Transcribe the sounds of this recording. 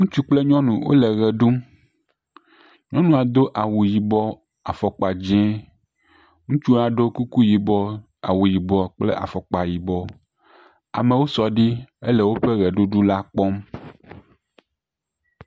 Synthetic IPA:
ŋũ˦t͡ʃu˦k͡ple˦ɲɔ̃˦nũ˨wo̰˦lɛ˨ɣɛ˨ɖu˦m | ɲɔ̃˦nũ˨a˨d̪o˦ʔa˨wu˨ji˨bɔ˦ | a˨fɔ˨k͡pa˨d͡ʒɛ̃˦ | ŋũ˦t͡ʃu˦a˨ɖo˦ku˦ku˦ji˨bɔ˦ | a̰˨wu˨ji˨bɔ˨k͡plḛ˦ʔa̰˨fɔ˨k͡pa˨ji˨bɔ˦ | a̰˨mẽ˨wo˦sɔ˨ɖi˦e˦lɛ˨wo˦ɸe˦ɣɛ˨ɖu˦ɖu˦la˦k͡pɔ˦m

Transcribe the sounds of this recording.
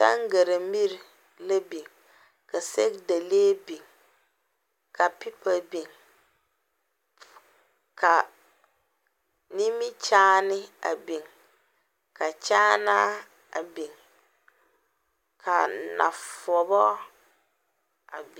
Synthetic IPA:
ta̰˦ŋ˦ɡa˨ɾa˨mi˦ɾ | la˦bi˨ŋ | ka˨sɛ˦kda˨le˦bi˨ŋ | kʰa˨pi˦pa˨bi˨ŋ | kʰa˨ | ni˦mɪ˦t͡ʃaː˦nɪ˦a̰˨be˨ŋ | ka˨t͡ʃaː˦na˦ | a̰˨be˨ŋ | kʰa˨na̰˨fɔ˨bɔ˦ | a̰˨b

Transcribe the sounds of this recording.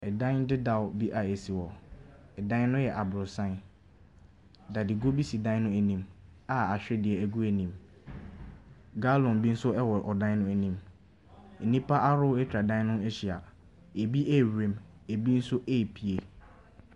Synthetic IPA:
ɛ˨dã˦n˦dɪ˦da˨wbi˦ʔa˨e˨si˨wɔ˨ɛ˨dã˦nʊ̃˦jɛ˨ʔa˨bɾʊ˨sã˦n˦ | da˨di˨ɡo˦bi˦si˨dã˦nʊ̃˦æ˨nĩ˦ma˨a˨ɕᶣɛ˦dɪ˨ɛ˨æ˨ɡu˦æ˨nĩ˨m | ɡa˦lɔ̃˨nbi˦n̩˦sʊ˦ɛ˦wɔ˨ɾʔɔ˨dã˦nʊ̃˦æ˨nĩ˦m | e˨nĩ˦pʰa˦ʔa˦ɾʊ˦ɛ˦tʰᶣɾa˨dã˦nʊ̃˦e˦ɕi˨a˨ | e˨bi˦ʔe˦˨wẽ˨˦m | e˨bi˦n̩˦sʊ˦ʔe˦˨pʰi˨e˨

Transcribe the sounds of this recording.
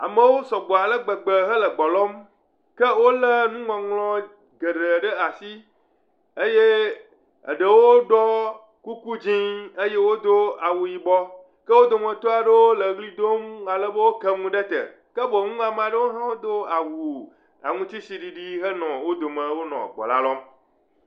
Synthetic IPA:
a̰˨mə̃˦wo˦sɔ˨ɡ͡bɔ˨a˨lə˦ɡ͡bə˨ɡ͡bə˨ɦə˦lə˨ɡ͡bɔ˨lɔ˦m | kə˦wo˦lə˦nũ˦ŋɔ̃˨ŋlɔ̃˦ | ɡə˨ɖə˨ɖə˦a˨si˦ | ə˦je˦ | ə̰˨ɖə˨wo˦ɖɔ˦ | ku˦ku˦d͡ʑĩ˦ə˦je˦wo˦d̪o˦a˨wu˨ji˨bɔ˦ | kə˦wo˦d̪o˨mə̃˨t̪o˦a˨ɖə˦wo˦lə˨ɡli˦d̪o˦ma˨lə˦bə˦wo˦kə˦ŋũ˦ɖə˦t̪ə̰˨ | kə˦bo˨˦ŋũ˦a˨m˨a˨ɖə˦wo˦ɦã˦wo˦d̪o˦a˨wu˨ | a̰˨ŋũ˦t̪i˦si˨ɖi˨ɖi˦ɦə˦nɔ̃˨wo˦d̪o˨mə̃˨wo˦nɔ̰̃˨ɡ͡bɔ̰˨la˦lɔ˦m

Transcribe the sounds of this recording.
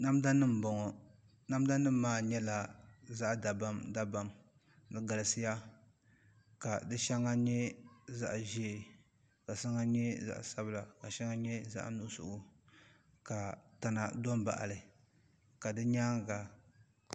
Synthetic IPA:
na˦m˦da˦nɨ˦m̩˨bɔ˨ŋɔ˨ | na˦m˦da˦nɨ˦m̩ː˦aː˦ɲɛ˦la˨za˦ʔda˨ba˦mda˦ba˨m | dɨ˦ɡa˨lɨ˨sɨ˦ja˦ | ka˨dɨ˦ʃɛ˦ŋːa˦ɲɛ˦za̰˦ʔʒɛ˦˨ | ka˨sa˦ŋa˦ɲɛ˦za̰˦ʔsa˦bɨ˨la˨ka˨ʃɛ˦ŋa˦ɲɛ˦za̰˦ʔnu˦ʔsʊ̰˨ʔʊ˨ | ka˨ta˨na˨dɔ˦mba̰˨ʔa̰˨lɨ˨ | ka˨dɨ˦ɲaː˦ŋ˨ɡa˨

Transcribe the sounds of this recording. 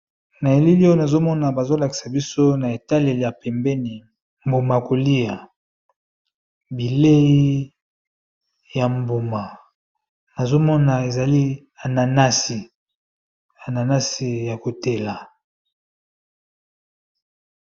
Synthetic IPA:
na˨e˨li˦li˦o˦na˨zo˦mɔ˦na˨ba˨zo˦la˨ki̥˨sa˨bi˦so˦na˨e˨ta˦le˨li˨ja˨pɛ˨mbɛ˦ni˨ | mbo˨ma˨ko˨li˦ja˨ | bi˨le˦ji˦ | ja˨mbo˨ma˨ | na˨zo˦mɔ˦na˨e˨za˨li˦ | a˨na˨na˦si˨ | a˨na˨na˦si˨ja˨ko˨te˨la˨

